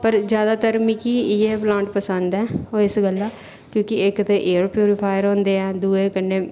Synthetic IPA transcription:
pəɾd͡ʒjaːd̪aːt̪əɾmɪkiːieːplãːɳʈpəsənd̪ɛːoːɪsɡəlːaː | kjõːkɪɪkt̪eʔeːɾpjuːɾɪpʰaːjɾɦõːnd̪eːɛ̃ːd̪uːeːkənːeː

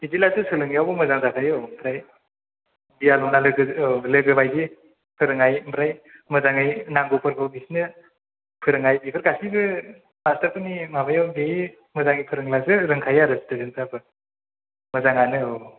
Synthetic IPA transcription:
dizilazɯsɯlɯŋijawbɯmɐzaŋzakʰajɔmʰɾaj | bijalɔnalɯɡɯlɯɡɯbajdi | pʰɯɾɯŋajmɾajmɯzaŋɯjnaŋɡopʰɯɾkʰɯbisnɯ | pʰɯɾɯŋajbipʰɯɾɡasibɯ | mastɐɾpɯnimabajawɡe | mɯzaŋijpʰɯɾɯŋlazɯɾɯŋkʰajaɾɯstɯzɯŋsabɯ | mɐzaŋanɯɔ

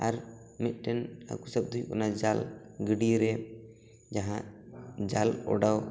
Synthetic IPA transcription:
aɾmɛt̪̚ˀʈɛna̰kusəb̚d̪ʱujkɔ̰nad͡ʒalɡəɖiɾɛ | d͡ʒaɦãd͡ʒalɔ̰ɖaw

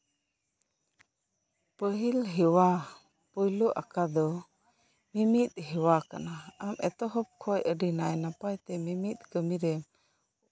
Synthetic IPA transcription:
pəɦilɦɛwa | pɔjluʔa̰kad̪ɔ | mimit̪̚ɦɛwakanaamʔɛ̰t̪ɔɦɔp̚kʰɔjəɖinajnapajt̪ɛmimit̪̚kəmiɾɛm

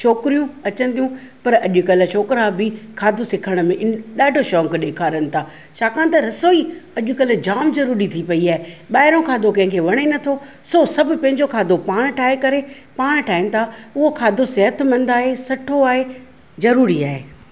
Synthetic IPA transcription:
ʃoːkɾijũɐt͡ɕə̃nd̪ijũ | pɐɾɐʄʊkɐl̆ʃoːkɾabɪkʰaːd̪ʱosɪkʰəɽ̃mẽʔɪɗaːɖʱoʃɔːŋkɗeːkʰaːɾənɪ̆t̪ʰaː | ʃaːkãːnt̪ɐɾɐsoːiɐʄʊkɐlʊ̆d͡ʑaːmzɐɾuːɾit̪ʰipɐiaːɦeɓaːɪɾõkʰaːd̪okɐ̃ɦɪ̃ŋkʰeːʋɐɽ̃enɐt̪ʰo | sosɐbʱʊ̆pɐ̃ɦɪ̃ɲd͡ʑokʰaːd̪opaːɽ̃ʈʰaːɦekɐɾe | paːɽ̃ʈʰaːɦɪnɪ̆t̪ʰaʊɦokʰaːd̪ʱosɛɦət̪mɐ̃nd̪aːɦesɐʈʰoaːɦe | zɐɾuːɾiaːɦeː

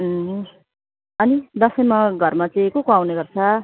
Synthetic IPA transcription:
ʌnid̪ʌsʌjmaɡʱʌrmat͡sʌĩkokoawneɡʌrt͡sʰʌ

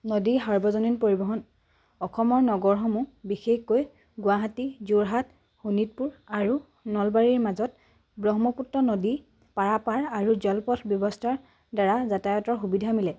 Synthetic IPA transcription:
nodiɦaɹbɔzɔninpoɹibɔɦɔn | ɔxʰɔmɔɹnɔɡɔɹɦɔmubixexkoj | ɡʊwaɦatizuɹɦat | xunit̚puɹaɹu | nɔlbaɹiɹmazɔt | bɹɔɦmɔputːɔnodi | paɹapaɹaɹuzɔlpɔtʰbjɔbɔstʰaɹ | daɹazatajɔtɔɹxubidʱamilɛ

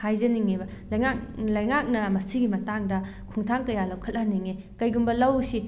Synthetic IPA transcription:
kʰajzɐniŋebɐ | lɐjŋaklɐjŋak̚nɐmɐsiɡimɐtaŋdɐ | kʰuŋtʰaŋkɐjalɐwkʰɐt̚ːaniŋe | kɐjɡumbɐlɐwsi

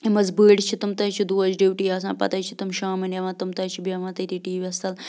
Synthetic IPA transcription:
imɐzbəːɽt͡ʃʰit̪umt̪ɐːt͡ʃʰid̪uːɐd͡ʒɖiːʋʈiːɐs̬ã̰ːpɐ̰t̪ɐjt͡ʃʰit̪umʃaːmɐnɐʋãːt̪umt̪ɐːt͡ʃʰibiɐʋãːt̪ɐt̪iʈiːʋʲiɐst̪ɐl

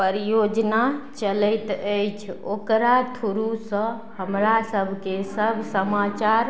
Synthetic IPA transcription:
pəɾijod͡ʒnat͡ʃələɪt̪əjt͡ʃʰokɾat̪ʰuɾusə̃ | həmɾasəbʱkesəbʱsəmat͡ʃaɾ

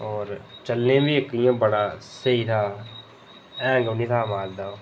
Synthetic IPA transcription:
ɔːɾt͡ʃɐlnẽbʱiekijãbɐɽaseit̪ʰa | ɛ̃ːɡɐnit̪ʰamaːld̪aːo

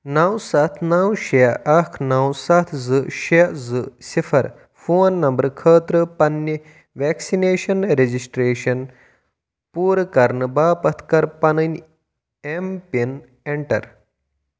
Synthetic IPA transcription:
nɐwsɐt̪ʰnawʃeɐkʰnawsɐt̪ʰzɨʃiɐzɨsifʰɐɾ | foːnːɐmbɐɾkʰəːt̪ɾəpɐnːə | ʋɛːksineːʃɐnɾed͡ʒisʈɾeːʃɐn | puːɾkɐɾnɨbaːpɐt̪ʰkɐɾpɐnɐnʲ | empen | eɳʈɐɾ

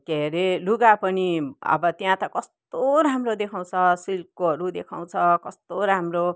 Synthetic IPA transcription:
keɾeluɡapʌniʌ̰bʌt̪jãt̪ʌkʌst̪oɾɦamrod̪ekʰaw̃t͡sʰʌsilkoɦʌɾud̪ekʰaw̃t͡sʰʌkʌst̪oɾɦamro

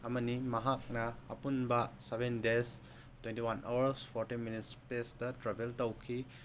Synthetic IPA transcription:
ɐmɐnimɐɦak̚nɐ̰ːpunbɐsebendes | twentiwanʔawɐɾspʰoɾtinminitspesdɐtɾabeltɐwkʰi

